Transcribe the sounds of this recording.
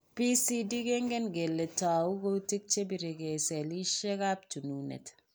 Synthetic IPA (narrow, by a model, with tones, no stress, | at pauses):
pi˦si˦di˦ke˦ŋɡe˦nɡe˨lːe˨ta˨wu˦ko˦ti˦k̚t͡ʃe˦bi˨ɾe˨ke˨sɛ˨li˦ʃe˦ka˦p̚t͡ʃu˨nu˨nḛ˨t